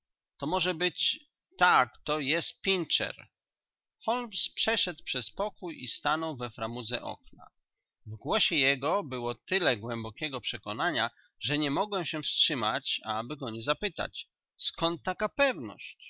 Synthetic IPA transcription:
t̪ɔmɔʐɛbɘt͡ɕ | t̪akt̪ɔjɛst̪̚pʲint͡ʂɛ̰ɾ | xɔlmspʂɛʂɛt̪pʂɛspɔkujḭst̪anɔwvɛfɾamud̪zɛ̰ʔɔ̰kna̰ | vɡwɔɕɛjɛɡɔbɘwɔt̪ɘlɛɡwɛmbɔkʲɛɡɔpʂɛkɔnaɲa | ʐɛɲɛmɔɡwɛmɕɛfstʂɘmat͡ɕabɘɡɔɲɛzapɘt̪a̰t͡ɕ | skɔnt̪ːakapɛvnɔ̰ɕt͡ɕ

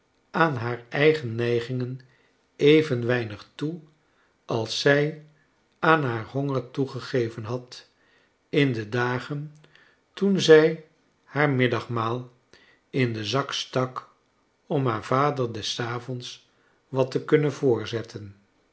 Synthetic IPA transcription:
aːnɦaːɹɛjχənːɛjχɪŋən | ejvənʋɛjnəχtu | ʔɑlˠsɛj | aːnɦaːɹɦɔŋəɹtuχəχejvənɦɑt | ɪndədaːχən | tunzɛj | haːɹmɪdɑχmaːlˠ | ɪndəzɑkstɑk | ɔmɦaːɹvaːdəɹdɛsaːvɔns | ʋɑtəkɵnənvʊːɹzɛtʰən

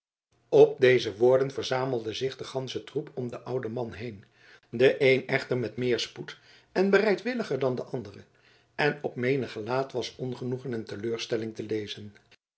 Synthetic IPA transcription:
ɔb̚dejzəʋʊːɹdənvəɹzaːməl̩ˠdəzɪχdəχɑnsətrupʰɔmdəʔʌwdəmɑnɦejn | dəʔejnɛχtəɹmɛtmɪːɹsput | ɛnbərɛjtʋɪləχəɹdɑndəʔɑndərə | ɛnɔpmejnəχəlaːtʋɑsɔnχənuχənɛntəløːɹstɛlɪŋtəlejzən

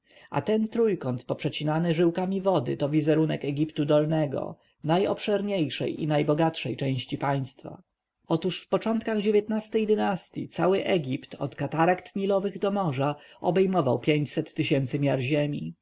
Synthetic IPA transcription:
a̰t̪ɛnt̪ɾujkɔnt̪pɔpʂɛt͡ɕinanɘʐɘwkamʲivɔd̪ɘ̰t̪ɔvʲizɛɾunɛkɛɡʲipt̪ud̪ɔlnɛɡɔ̰ | najɔ̰pʂɛɾɲejʂɛ̰jḭnajbɔɡatʂɛjt͡ʂɛ̃w̃ɕt͡ɕipaj̃st̪fa̰ | ɔt̪uʂfpɔt͡ʂɔnt̪kaɣd͡ʑevʲjɛt̪nast̪ɛjd̪ɘnast̪ʲjḭt̪sawɘʔɛɡʲipt̪ɔ̰t̪kat̪aɾakt̪ɲilɔvɘɣd̪ɔmɔʐa | ɔbɛjmɔvawpʲjeɲt͡ɕsɛt̪ːɘɕɛnt̪sɘmʲjaɾʑemʲi

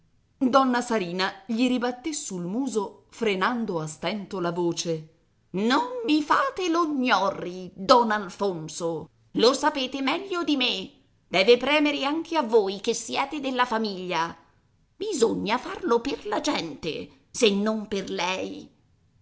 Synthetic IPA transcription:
d̪ɔnːasaɾiːnaʎiɾibat̪ːesulmuːzofɾenand̪oast̪ɛnt̪olavoːt͡ʃe | nomːifaːt̪eloɲːɔrːid̪ɔnalfonso | losapeːt̪emɛʎːod̪ime | d̪̥ɛːvepɾɛːmeɾeaŋk̟ʰeavːoːjk̟esːjɛːt̪ed̪elːafamiʎːa | bizoɲːafarloperlad͡ʒɛnt̪ḛ | senːomperlɛj

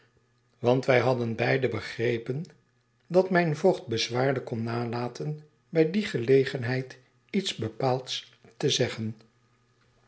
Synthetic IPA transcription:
ʋɑntʋɛjɦɑdənbɛjdəbəχrejpən | dɑtmɛjnvoχt̚bəzʋaːɹdəkɔnːaːlaːtʰən | bɛjdiχəlejχənɦɛjt | itzbəpaːlˠts | təzɛχən

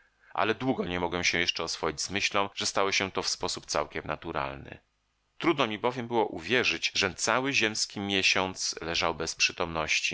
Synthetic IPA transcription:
ʔa̰lɛd̪wuɡɔɲɛmɔɡwɛmɕɛjɛʂt͡ʂɛɔsfɔjid͡ʑzmɘɕlɔ̃ʐ̥ɛst̪awɔɕɛt̪ɔfspɔsup̚t̪sa̰wkʲɛmna̰t̪uɾa̰lnɘ̰ | t̪ɾud̪nɔmʲibɔvʲjɛmbɘwɔʔuvʲjɛʐɘd͡ʑʐɛt̪sawɘʑɛmskʲimʲjɛɕɔnt̪slɛʐawbɛspʂɘt̪ɔmnɔɕt͡ɕi

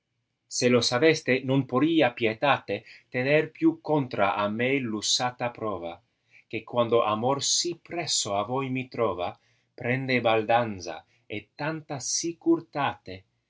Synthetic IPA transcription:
selosavest̪enonpoɾiːapjet̪aːt̪et̪enerpjukont̪ɾa̰ʔamelusaːt̪apɾɔːva̰ | k̟ekwand̪oʔamorsipɾɛsːoavojmit̪ɾɔːva | pɾɛnd̪ebald̪anza̰ | et̪ːant̪asikuɾt̪aːt̪e

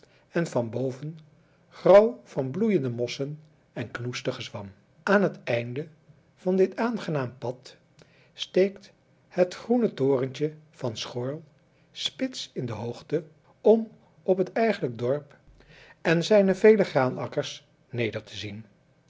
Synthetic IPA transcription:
ɛnvɑnbowvən | χrʌwv̥ɑnblujəndəmɔsən | ɛnknustəχəzʋɑm | aːnɦətɛjndə | v̥ɑndɪtaːnχənaːmpɑt | stejkt | hətχrunətoːrəntəv̥ɑnsχʊːɹlˠ | spɪtsɪndəɦowχtə | ɔm | ɔpɦətɛjχələɡ̚dɔɹp | ɛnzɛjnəvejləχraːnɑkəɹs | nejdəɹtʰəzin

